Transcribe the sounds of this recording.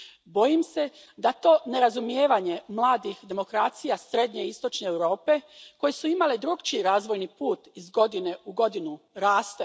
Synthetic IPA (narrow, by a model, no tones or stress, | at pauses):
bo̞jimse̞ | d̪at̪o̞ːne̞ɾazumjeːʋaɲe̞mlˠaːd̪ixd̪e̞mo̞kɾaːt̪sijasɾe̞d̪ɲe̞ist̪o̞t͡ʃneːwɾo̞ːpe̞ko̞jesuimaled̪ɾuɡt͡ʃiɾaːzʋo̞jnipuːt̪izɡo̞d̪ine̞uɡo̞d̪inu | ɾaːst̪e